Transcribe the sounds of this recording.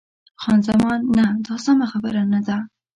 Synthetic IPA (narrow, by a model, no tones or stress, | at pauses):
xɑnzamɑnːad̪ɑsamaxabəɾanad̪a